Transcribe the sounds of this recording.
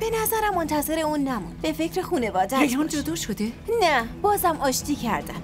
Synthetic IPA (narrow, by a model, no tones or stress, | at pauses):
b̥e̞næzæɾæmːont̪ʰæze̞ɾeuːnːæmunbe̞fe̞cɾexuːne̞vɒːd̪æjɒːnd͡ʒod̪ɒːʃod̪enæb̥ɒːzæmɒːʃt̪ʰiːcʰæɾd̪æm